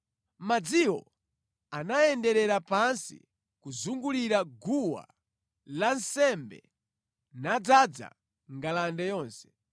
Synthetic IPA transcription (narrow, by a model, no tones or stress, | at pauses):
mad͡ziwɔ | anajɛndɛɾɛɾapansḭ | kuzuŋɡuliɾaɡuwa̰ | lansɛmbɛ̰ | nad͡zad͡za̰ | ŋɡalandajɔːnsɛ̥